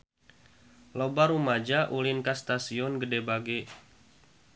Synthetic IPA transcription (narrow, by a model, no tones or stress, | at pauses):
lobaɾumad͡ʒaʔulɪnkast̪asiɔnɡədɛbaɡɛ